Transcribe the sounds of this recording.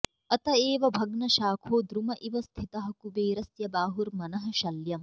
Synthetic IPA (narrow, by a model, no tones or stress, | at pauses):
ɐt̪ɐeːʋɐbʱɐɡnɐʃaːkʰoːd̪ɾumɐʔiʋɐst̪ʰit̪ɐɦɐkubeːɾɐsjɐbaːɦuɾmɐnɐɦɐ̆ʃɐljɐm